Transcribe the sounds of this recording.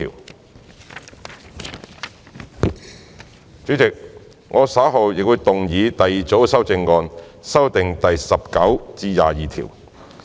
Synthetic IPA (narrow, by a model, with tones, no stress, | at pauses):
ḭː˨˩w | t͡sy˨˥t͡sɪ˨k̚ | ŋɔː˨˧saː˨˥ɦo˨wjɪ˨k̚wu˨˧jt̪ʊ˨ŋjiː˨˧t̪ɐ˨ji˨˩t͡so˨˥wsɐ˥wt͡sɪ˧ŋːɔː˧nsɐ˥wt̪ɪ˨ŋt̪ɐ˨jsɐ˨p̚kɐ˨˥wt͡siː˧jaː˨jiː˨t̪ʰḭ˨˩w